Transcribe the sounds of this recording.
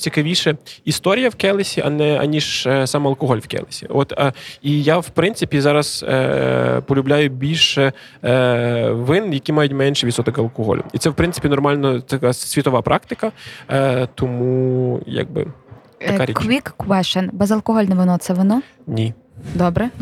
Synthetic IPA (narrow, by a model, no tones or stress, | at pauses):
t͡sʲikɐʋʲiʃɛist̪ɔɾʲijɐwkɛlˠesʲiʔɐ̰nɛɐ̰nʲiʒsɑmɐlˠkɔɦɔlʲwkɛ̰lˠesʲḭɔt̪ijawpɾɪnsɪpʲizɑɾɐz̥̰ | pɔlʲʊblʲajʊbʲilʲʃɛ | ʋɪnjɐkʲimɑjʊtʲmɛnʲʃɛʋʲisɔt̪ɔkɐlˠkɔɦɔ̰lʲʊ̰it̪ɛwpɾɪnsɪ̥pʲinɔrmɑlʲnɔt̪ɐkasʲʋʲit̪ɔʋɑpɾʔɑkt̪ɪkɐ | t̪ɔmuja̰ɡ̚bɪ̰ | ɐkaɾʲikʋʲikkʋɛʃɛnbɛzɐlˠkɔɦɔlʲnɛʋɪnɔt̪sɛʋɪnɔ | nʲi | d̪ɔbɾɛ